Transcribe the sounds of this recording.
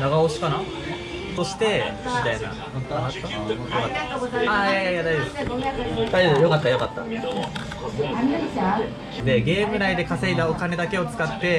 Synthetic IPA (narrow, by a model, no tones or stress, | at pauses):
naɡaoɕi̥kana | t̪o̞ɕi̥t̪e̞mit̪aina̰ | jokat̪ːaaaaiad̪ajod̪esd̪̥aojo̞kat̪ːajokat̪ːa̰ | d̪e̞ɡe̞ːmɯ̟naid̪e̞kase̞it̪ao̞kane̞d̪ake̞o̞t͡sɨ̥kat̪ːe̞